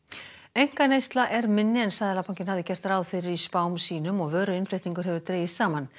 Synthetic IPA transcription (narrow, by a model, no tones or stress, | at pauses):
ejŋ̥kanejst̪laʔɛɾmɪnːɪɛnsajðɪlapʰawɲcɪnhavðɪcɛr̥t̪aɾaːwðfɪɾɪɾispaːwmsiːnʏmɔɣvœːɾʏɪnfleht̪niŋkʏɾɦɛvʏɾt̪ɾeːjɪsaːman